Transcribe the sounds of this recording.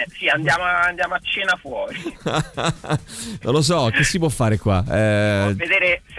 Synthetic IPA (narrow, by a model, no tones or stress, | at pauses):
ɛsiand̪jaːmoaand̪jaːmoat͡ʃːeːnafwɔːɾi | nõnlos̬ɔk̟esːip̬wɔfːaːɾekwaɛved̪eːɾes